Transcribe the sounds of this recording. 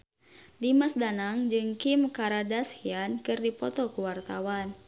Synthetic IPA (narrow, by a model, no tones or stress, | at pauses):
dimasdanaŋd͡ʒɨŋkimkaɾadashiankɨrdipɔt̪ɔkuwart̪awan